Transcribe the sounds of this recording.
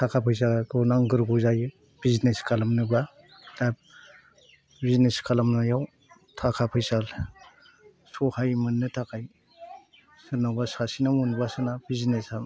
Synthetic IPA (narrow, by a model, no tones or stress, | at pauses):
tʰakʰapʰɯjsakʰɯnaŋɡɯɾɡuzajɯ | bizneskʰalamnɯba | d̥ab̚ | bizneskʰalamnajaw | tʰakʰapʰɯjsal | sɔhajmɯnːɯtʰakʰaj | sɯnabasasinamunbasɯnabiznesam